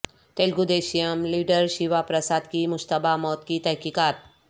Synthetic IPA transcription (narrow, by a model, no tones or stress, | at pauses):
t̪eːlɡud̪eːʃijəmliːɖəɾʃiʋapɾəsaːd̪kimʊʃt̪əbʱamɔːt̪kit̪ɛɦkikaːt̪̚